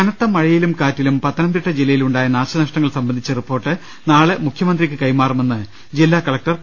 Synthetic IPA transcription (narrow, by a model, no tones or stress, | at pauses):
ɐnɐt̪ːɐmɐɻɐjilumkaːtːilumpɐt̪ːɐnɐnd̪iʈːɐd͡ʑilːɐjiluɳɖaːjɐnaːɕɐnɐʂʈɐŋːɐɭsɐmbɐnd̪it͡ɕːɐripːo̞ːrʈːɨ | naːɭemukʰjɐmɐnd̪rikʲːɨkɐjmaːrɐme̞nːɨ | d͡ʑilːaːkɐlɐk̚ʈɐr